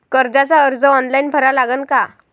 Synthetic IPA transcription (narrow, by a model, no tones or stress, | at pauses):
kəɾd͡zat͡saəɾd͡zəɔnlainpʰəɾalaɡənka